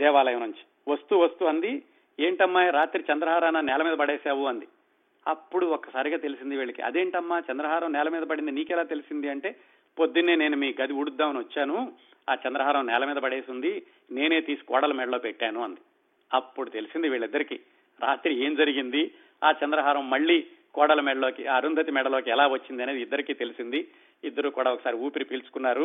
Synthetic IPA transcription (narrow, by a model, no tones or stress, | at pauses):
d̪ɛːʋaːlɐjɐmɐnuɲt͡ʃi̥ | ʋɐst̪uʋɐst̪uɐnd̪i | e̞ːɳʈɐmːaːjɾaːt̪ɾit͡ʃɐnd̪ɾɐɦaːɾaːnɐnɛːlɐmiːd̪ɐpɐɽeːsaːʋuɐnd̪i | ɐ̰pːuɽuɔkːɐ̥saːɾiɡaːt̪e̞lisind̪iʋiːɭːɐkḭɐ̰d̪e̞ːɳʈɐmːaːt͡ʃɛnd̪ɾɐɦaːɾɐmnɛːlɐmiːd̪ɐpɐɽind̪ɐniːkɛlaːt̪e̞lisind̪iɐɳʈe̞ː | po̞d̪ːineːneːnumiːɡɐd̪iuɽud̪ːaːmɐniʋɐt͡ʃːaːnu | aːt͡ʃɐnd̪ɾɐɦaːɾɐmnɛːlɐmiːd̪ɐpɐɽe̞ːsind̪i | ne̞ːne̞ːt̪iːsi̥kɔ̰ːɽɐlɐmɛɽɐlo̞ːpeʈːaːnuɐnd̪i | ɐpːuɽut̪e̞lisind̪iʋiːɭɐid̪ːɐɾikiː | ɾaːt̪ɾie̞ːmd͡ʒɐɾiɡind̪i | aːt͡ʃɐnd̪ɾɐɦaːɾɐmːɐɭːiːkɔːɽɐlɐmɛɽɐlo̞ːkiʔaːɐɾund̪ʱɐt̪imɛɽɐloːkiɛlaːʋɐt͡ʃːind̪iɐneːd̪id̪ːɐɾikiːt̪e̞lisind̪i | id̪ːɐɾuːkuːɽaːɔkɐsaːɾiuːpiɾipiːlt͡ʃu̥kunːaːɾu